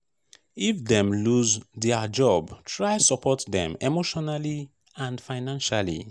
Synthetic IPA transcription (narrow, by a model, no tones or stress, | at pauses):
ifdɛ̃mluzdɛad͡ʒɔbtʰɹajsɔpʰɔtdɛ̰̃memoʃɔnali | ãndfaɪnãnʃalḭ